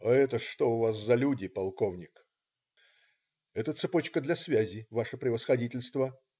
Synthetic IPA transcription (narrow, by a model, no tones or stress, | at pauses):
ɐɛt̪əʂt̪o̞ʊvaszɐlʲudʲɪpɐlˠkovnʲɪk | ɛt̪ət̪sɨpo̞t͡ɕkəd̪lʲɐsvʲæzʲɪvaʂɨpɾʲɪvəsxɐdʲitʲɪlʲst̪və